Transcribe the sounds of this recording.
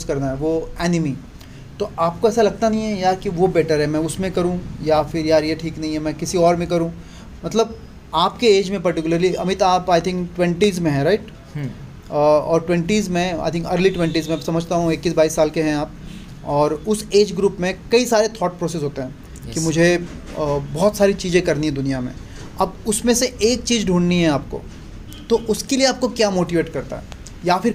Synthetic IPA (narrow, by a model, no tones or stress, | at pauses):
skɐɾnaɦɛʋoɛːnɪmi | t̪oaːp̚koɛːsalɐɡ̚t̪anɐɦĩɦɛ̃jaːɾkiʋobɛːʈəɾɦɛmɛ̃ʊsmẽkɐɾũjafɪɾjaːɾjeʈʰiːknɐɦĩɦɛ̃mɛ̃kɪsiɔːɾmẽkɐɾũ | mɐt̪ləb̚ | aːpkeeːd͡ʒmẽpɐɾʈɪkʊləɾliʔɐ̰mɪt̪aːpaːɪt̪ʰɪ̃ŋkʈwɛ̃ɳʈiːzmẽɦɛ̃ɾaɪʈ | ɔːɾʈwɛ̃ɳʈiːzmẽa̰ɪt̪ʰɪ̃ŋkɐɾliʈwɛ̃ɳʈiːzmɛ̃ɐbsɐməd͡ʒʱt̪aɦũekːiːsbaːisːaːlkeɦɛ̃aːp̚ | ɔːɾʊseːd͡ʒɡɾuːpmẽkɐisaːɾet̪ʰɔːʈ̚pɾɔːsɪsɦoːt̪eɦɛ̃ː | kimʊd͡ʒʱe | bɔːt̪saːɾit͡ʃiːzẽkɐɾniɦɛ̃d̪ʊnijamḛ̃ː | ɐbʊsmẽseeːk̚t͡ʃiːzɖʱuːɳɖniɦɛ̃aːp̚ko̰ː | t̪oʔʊskelieaːp̚kokjaːmoːʈiʋeːʈkɐɾt̪a̰ɦɛ̰ | jafɪɾ